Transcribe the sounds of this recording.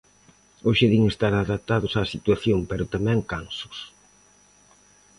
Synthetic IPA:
oʃeðiŋest̪aɾaðap̚t̪aðʊsaːsit̪waθjompeɾʊt̪amɛ̃ŋkansʊ̥s

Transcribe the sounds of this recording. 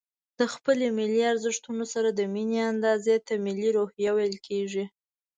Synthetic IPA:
d̪̥əxpəlemiliaɾzəʂt̪unosaɾad̪əmineand̪ɑzet̪amiliɾohjawajəlkʰeʐi

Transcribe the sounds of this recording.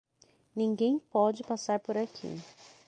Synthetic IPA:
nĩŋɡẽj̃pɔd͡ʒɪpasaɾpoɾakʰḭ

